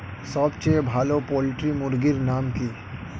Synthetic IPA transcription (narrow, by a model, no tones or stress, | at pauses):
səbt͡ʃebʱaːlopoːlɪʈɾimʊɾɡɪɾnaːmki